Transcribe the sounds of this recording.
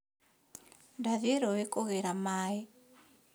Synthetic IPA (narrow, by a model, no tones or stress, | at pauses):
ndaðeɾɔwekɔɣeɾamaːe